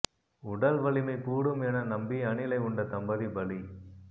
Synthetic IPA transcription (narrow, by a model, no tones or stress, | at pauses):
ʊɽɐlʋɐɭɪmɐɪkuːɽɯmɛnɐnɐmbiɐɳɪlɐɪʊɳɖɐt̪ɐmbɐðibɐli